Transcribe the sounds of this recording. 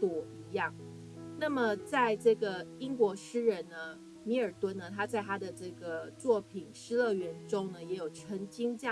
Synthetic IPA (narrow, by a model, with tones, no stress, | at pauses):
t̪wɔ˨˩i˧˥jɑ˥˩ŋ | na˥˩mə˩t͡sa˥˧ɪʈ͡ʂɤ˥˩ɡə˩i˥ŋkwɔ˧˥ʂɻ̩˥ɻə˧˥nnə˧ | mi˧˥ə˞˨˩t̪wə˥nnə˨t̪ʰa˥t͡sa˥˩ɪt̪ʰa˥d̪ə˨ʈ͡ʂɤ˥˩ɡə˩t͡swɔ˥˩pʰi˨˩nʂɻ̩˥lɤ˥˩ɥɛ˧˥nʈ͡ʂʊ˥ŋnə˨jɛ˧˥jo˨˩ʊʈ͡ʂʰə˧˥ŋt͡ɕi˥ŋt͡ɕjɑ˥˩